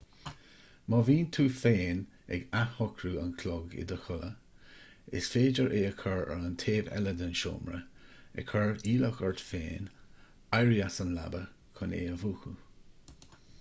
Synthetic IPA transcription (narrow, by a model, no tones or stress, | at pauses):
mɔviːnt̪ʰuːfeːn | ɛ̰ɡahɔkʰɾuənkʰlɔɡɪ̰d̪əxʊlə | ɪ̰sfeːd͡ʒəɹʔeːəkʰəɹə̰ləntʰeːvɛ̰ləd̪ənʃo̰ːmɹə̰ɛ̰kʰəɹiːləxəɹt̪fḛːn | ajɹiasənla̰bə | kʰʊnḛːəvuːxu